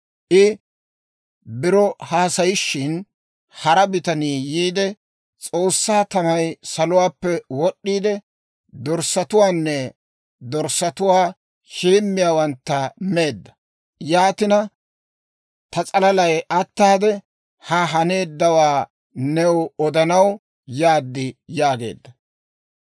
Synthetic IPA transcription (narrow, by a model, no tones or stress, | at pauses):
ʔɪ | bɪɾɔhaːsɐjɪʃːɪn | hɐɾɐbɪt̪ɐniːjiːd̪ɛ | t͡sʼo̞ːsːaːt̪ɐmɐjsɐlʊwaːpːɛwɔɗːiːd̪ɛ | d̪ɔɾsːɐt̪ʊwaːnːɛ | d̪ɔɾsɐt̪ʊwaː | ʃiːmːɪjaːwɐnt̪ːɐme̞ːd̪ːɐ̥ | jaːt̪ɪnɐ | t̪ɐt͡sʼɐlɐlɐjʔɐt̪ːaːd̪ɛ | hɐɦɐne̞ːd̪ːɐwaː | nɛwɔd̪ɐnɐw | jaːd̪ːɪjaːɡe̞̰ːd̪ːɐ